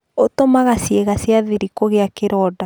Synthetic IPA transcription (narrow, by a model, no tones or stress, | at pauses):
otomaɣasjeɣasjaðiɾikoɣeakeɾɔda